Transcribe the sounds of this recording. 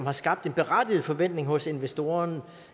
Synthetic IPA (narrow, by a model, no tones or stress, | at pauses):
mhɑ̈sɡ̥ɑ̈b̥̚d̥e̝nb̥e̝ʁad̥ið̩ˠfɒ̽ʋen̰d̥ne̝ŋhɔ̽se̝nʋesd̥o̝ːɐn